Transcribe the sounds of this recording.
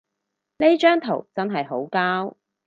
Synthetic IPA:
ne˥jt͡ʃœː˥ŋt̪ʰo̰˨˩wt͡sɐ˥nɦɐ˨jɦo˨˥wkaː˥w

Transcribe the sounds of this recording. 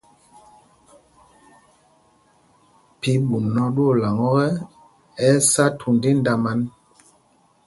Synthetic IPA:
pi˨˦ɓu˨nɔ˦ɗu˦o˦˨la˨ŋɔ˦ɣɛ˦ | ɛ˦sa˦tʰu˨ndi˦n˦da˦ma˦n

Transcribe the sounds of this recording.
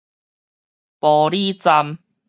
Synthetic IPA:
pɔː˨˩ɾi˥˧t͡sa˧m

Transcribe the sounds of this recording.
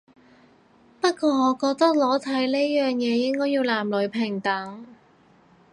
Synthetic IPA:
pɐ˥t̚kʷɔː˧ŋɔː˨˧kɔː˧k̚t̪ɐ˥k̚lɔː˨˥t̪ʰɐ˨˥jle˥jœː˨ŋjɛː˨˧jɪ˥ŋkɔː˥ji˧wlaː˨˩mlɵ˨˧˥ɥpʰɪ˨˩ŋt̪ɐ˨˥ŋ

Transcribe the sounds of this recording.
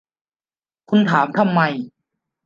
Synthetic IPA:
kʰu˧nt̪ʰaː˩˦mt̪ʰa˧mːa˧j

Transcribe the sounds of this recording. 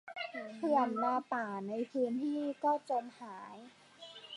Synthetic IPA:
pʰɯ˧˩ənːaː˧paː˨˩na˧jpʰɯː˧nt̪ʰiː˥˩kɔː˥˩t͡ɕo˧nhaː˩˦j

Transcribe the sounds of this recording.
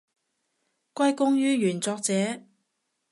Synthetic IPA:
kʷɐ˥jkʊ˥ŋjyː˥jyː˨˩nt͡sɔː˧k̚t͡sɛː˨˥

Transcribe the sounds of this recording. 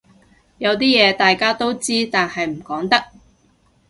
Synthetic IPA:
jɐ˨˧wt̪̬iː˥jɛː˨˧t̪aː˨jkaː˥t̪o˥wt͡siː˥t̪aː˨nhɐ˨jm̩˨˩kɔː˨˥ŋt̪ɐ˥k̚

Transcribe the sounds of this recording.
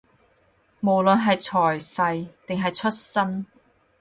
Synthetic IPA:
mo˨˩wlɵ˨nɦɐ˨jt͡sʰɔː˨˩jsɐ˧jt̪ɪ˨ŋɦɐ˨jt͡ʃʰɵ˥t̚sɐ˥n

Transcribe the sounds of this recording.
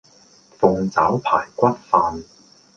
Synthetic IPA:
fʊ˨˧ŋt͡saː˨˥wpʰa̰ː˨˩jkʷɐ˥t̚faː˧n

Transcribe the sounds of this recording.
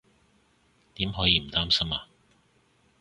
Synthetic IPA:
t̪iː˨˥mɦɔː˨˥jiː˧m̩˨˩t̪aː˥msɐ˥maː˨˧

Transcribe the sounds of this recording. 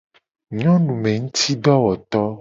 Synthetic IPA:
m̃˦ɔ̃˦nũ˨mẽ˨ŋũ˦t̪i˦ɖɔ˦wɔ˨t̪ɔ˦

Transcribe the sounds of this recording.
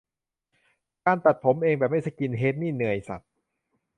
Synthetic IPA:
kaː˧nt̪a˨˩t̪̚pʰo˩˦mʔeː˧ŋbɛː˨˩p̚ma˥˩sa˧˩jki˧nɦeː˦˥t̪̚niː˥˩nɯ˨˩əjsa̰˨˩t̪̚

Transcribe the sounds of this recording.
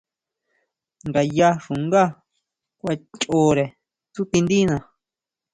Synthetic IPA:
nɡa˨ja˦˧ʂũ˨ŋɡa˦ | kʷa˧t͡ʃʼoː˦ɾe˨ | t͡su˦t̪ĩ˧nd̪i˦nã˨

